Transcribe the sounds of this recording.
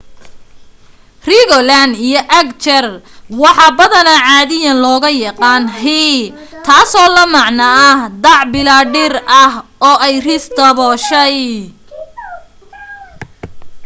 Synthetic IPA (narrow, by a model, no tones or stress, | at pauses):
riɣɔlɐnd̪ijɔʔɐkt͡ʃɛrwɑħɑːbɐðɐnɐʕɑːðɪjɐnlɔːɣɐjɐqɑːnɦit̪ʰaːsɔːlɐmɑʕnɐɐhd̪ɑʕbɪlaːɖɪrɐhɔːʔɛjrɪst̪ʰɐβɔːʃɛj